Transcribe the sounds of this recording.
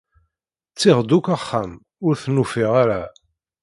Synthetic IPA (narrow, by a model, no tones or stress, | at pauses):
t͡sːɪʁd̪ukaχːam | ʊɾθnufiʁaɾa